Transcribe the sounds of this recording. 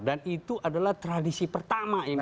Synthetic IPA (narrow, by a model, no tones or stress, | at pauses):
danit̪uʔadalaht̪ɾadisipərt̪amai